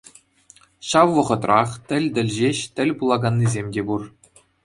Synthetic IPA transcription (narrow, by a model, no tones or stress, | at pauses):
ɕɑʋʋɤ̆ʁɤ̆t̪rɑχt̪ʲɘ̆lʲd̪ʲɘ̆lʲʑeɕt̪ʲɘ̆lʲpulˠɑɡɑnːizʲemʲdʲebur